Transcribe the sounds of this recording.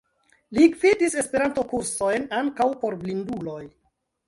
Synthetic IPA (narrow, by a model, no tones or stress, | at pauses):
liɡvidise̞spe̞ɾanto̞kuɾso̞jnaŋkawpo̞ɾblindulo̞j